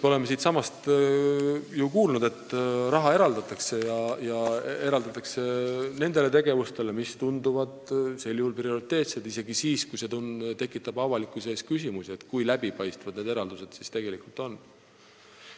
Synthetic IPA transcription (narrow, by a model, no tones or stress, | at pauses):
mo̞le̞mːe̞siːt̪sɑmɑst̪ | jukuːlnud̪e̞t̪ːrɑɦɑe̞ɾɑld̪̥ɑt̪ːˑɑkse̞jɑjɑe̞ɾɑld̪ɑt̪ːˑɑkse̞ne̞nd̪̥e̞le̞t̪e̞ɡ̥e̞vust̪e̞le̞mist̪und̪uvɑd̪se̞ljuhulprio̞ɾit̪ːe̞ːt̪sed̪̥ise̞ɡ̥isiːskujse̞t̪unt̪e̞kːˑit̪ˑːɑbɑvɑlikːˑuse̞ːskysimusie̞t̪kujlæb̥ipɑjst̪vɑd̪ne̞d̪e̞ɾɑld̪use̞d̪̥sist̪e̞ɡ̥e̞likult̪ˑo̞nː